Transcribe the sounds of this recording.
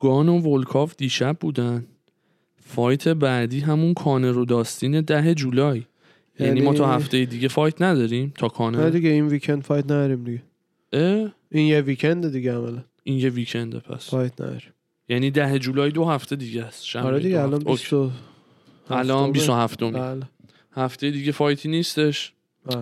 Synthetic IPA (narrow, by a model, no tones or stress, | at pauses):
ɡ̥ɒːnovolkʰɒːfd̪iːʃæb̚buːd̪æn | fɒːjt̪ʰe̞bæd̪iːɦæmunkʰɒːneɾod̪ɒːst̪iːne̞d̪æɦe̞d͡ʒuːlɒːj | jæniːmɒːt̪ʰɒːɦæft̪ejed̪iːɟe̞fɒːjt̪ʰnæd̪ɒːɾiːmt̪ʰɒːkʰɒːnnd̪iɡeinvikʰend̪̥fɒjt̪næd̪ɒɾimd̪iɡe | ʔe | injeviːcʰend̪ed̪iɡeæmælænʔinjeviːcʰe̞nd̪ḛpʰæ̰sfɒːjt̪ʰnæ̰d̪ɒ̰ɾim | jæniːd̪æɦed͡ʒuːlɒːjd̪ohæft̪ʰe̞d̪iɟææst̪ʃæɾed̪iɡeælɒnoo | hælɒnbiːsoɦæft̪omle | hæft̪e̞jed̪iːɟe̞fɒːjt̪ʰiːniːst̪e̞ʃ